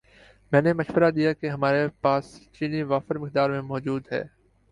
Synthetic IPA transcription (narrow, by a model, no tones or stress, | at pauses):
mɛ̃ːneməʃʋəɾad̪ijaːkeɦəmaːɾepaːst͡ʃiːniʋaːfəɾmɪk̚d̪aːɾmẽmɔːd͡ʒuːd̪ɦɛ̰ː